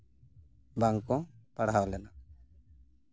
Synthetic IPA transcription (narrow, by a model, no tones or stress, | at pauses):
baŋkɔ̃paɽawlɛna